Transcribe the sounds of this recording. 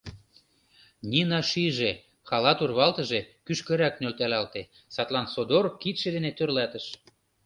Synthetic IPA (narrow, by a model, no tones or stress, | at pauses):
nʲinɑʃiʒe | xɑlɑt̪urβɑlt̪ə̆ʒekyʃkə̆ɾæknølt̪ælɑlt̪e | sɑt̪lɑnsod̪orkit̪ʃĕd̪enet̪ørlæt̪əʃ